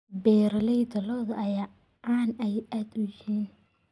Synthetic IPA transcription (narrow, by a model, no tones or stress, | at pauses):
bɛːɾlɛjd̪ɐlɔːðɐɐjaː | ʔaːnɛjʔaːd̪ʊjɪiːn